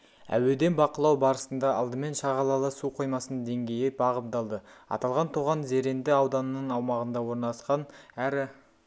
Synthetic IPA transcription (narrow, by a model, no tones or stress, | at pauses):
æ̰we̞d̪e̞nbɑqəlˠɑwbɑɾəsənd̪ɑɑ̰lˠd̪əme̞nʃɑʁɑlˠɑlˠəsuqʰo̞jmɑsənd̪e̞ŋɡʲe̞jɪbɑʁəp̚d̪ɑlˠd̪əɑ̰t̪ɑlˠʁɑnt̪ʰuʁɑnze̞ɾe̞nd̪ɪɑwd̪ɑnəːəɴɑwmɑʁənd̪ɑwo̞ɾnɑlˠɑsqɑnæɾɪ